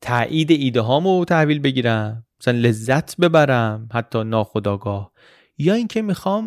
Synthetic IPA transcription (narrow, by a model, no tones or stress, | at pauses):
t̪ʰæːʔiːd̪eiːd̪eɦɒːmot̪ʰæhviːlbe̞ɟiːɾæmːæsælænle̞zːæt̪ʰbe̞bæɾæmhæt̪ʰːɒːnɒːxod̪ɒːɡɒːh | jɒːiŋcʰemixɒːm